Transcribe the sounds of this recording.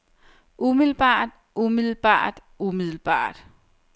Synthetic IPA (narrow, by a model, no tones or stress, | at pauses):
ʔumið̰ˠl̩b̥ɑ̰̈ːd̥ | ʔumiðˠl̩b̥ɑ̰̈ːd̥ | umiðˠl̩b̥ɑ̰̈ːd̥